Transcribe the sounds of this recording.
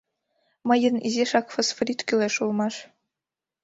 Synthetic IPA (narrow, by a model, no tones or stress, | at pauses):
mɤ̆jɤ̆nḭzʲeʂɑkfosfoɾʲit̪kʲylʲeʂulˠmɑʂ